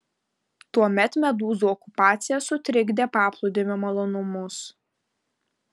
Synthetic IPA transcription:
t̪uɔmʲɛt̪mʲɛd̪uːzuɔkʊpɑːt̪sʲɪjɛsʊt̪ʲɾʲɪɡd̪ʲeːpɑːplˠʊd̪ʲɪmʲɪmɐlˠɔnʊmʊs

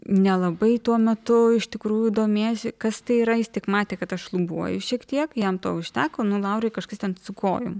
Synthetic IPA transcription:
nʲɛlˠɐbɐɪt̪uɔmʲɛt̪ʊɪʃt̪ʲɪkɾuːjuid̪oːmʲeːsʲɪkɐst̪ɐɪiːɾɐjɪst̪ʲɪkmɑːt̪ʲeːkɐt̪ɐʃlˠʊbuɔjʊʃʲiɛkt̪ʲiɛkjɛmt̪oːʊʃʲt̪ʲæːkoːnʊlˠɐʊɾʲɐɪkɐʃkɐst̪ʲɛnsʊko̰ːjʊ̰m

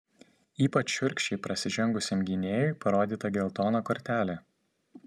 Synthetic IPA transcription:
iːpɐt͡ʃʃʲʊɾʲkʲʃʲt͡ʃʲɛɪpɾɐsʲɪʒʲɛŋɡʊsʲemɡʲɪnʲeːjʊɪpɐɾoːd̪ʲiːt̪ɐɡʲɛlˠt̪oːnoːkɔɾʲt̪ʲæːlʲe

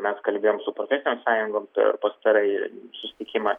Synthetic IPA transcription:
mʲɛskɐlʲbʲeːjoːmsʊpɾofʲɛːsʲɪnʲoːmsɑːjʊŋɡoːmpʲɛ̰rpɐst̪ɐɾɐɪsʊsʲɪ̥t̪ʲɪkʲɪmɑ

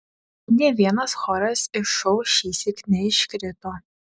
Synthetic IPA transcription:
nʲɛːʋʲiɛnɐsxɔːɾɐsɪʃɔʊʃʲiːsʲɪknʲɛɪʃkʲɾʲɪt̪oː

